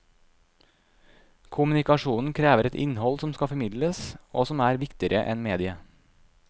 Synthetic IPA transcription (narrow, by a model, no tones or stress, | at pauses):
kʰʊmʉnɪkɑʃuːnn̩kʰɾeːʋəɾɛt̪ɪ̰nhɔlsɔmskɑfɔmɪd̪ləsoːsɔmæːɾʋɪkt̪ɪəɾʔəʔɛ̰nmeːd̪ɪə